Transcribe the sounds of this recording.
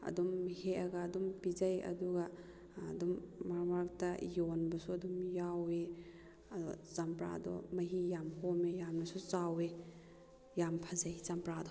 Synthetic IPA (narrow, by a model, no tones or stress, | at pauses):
ɐ̰dumheɐɡɐːdumpizajɐ̰duɡɐː | dumːaɾmaɾk̚tɐjonbɐsuɐdumjawe | dzampɾa̰dɔ̰mɐɦijamhomejamnɐsut͡ʃawe | jampʰɐzajt͡ʃampɾadɔ